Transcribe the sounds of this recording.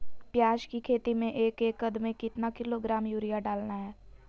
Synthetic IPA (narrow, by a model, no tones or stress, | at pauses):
pjaːʃkikʰeːt̪imẽʔeːkeːkːəd̪mẽkɪt̪nakɪloɡɾaːmjuːɾijaɖaːlnaɦɛː